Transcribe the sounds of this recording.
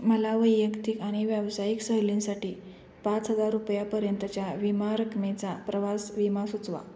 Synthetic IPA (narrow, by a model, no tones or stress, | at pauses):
məlaʋəjːəkt̪ikaɽ̃iʋjəʋsajiksəɦlĩnsaʈiː | pat͡sɦəd͡zaɾːupjapəɾjənt̪ət͡ɕjaʋimaɾəkmet͡sapɾəʋasʋimasut͡sʋa̰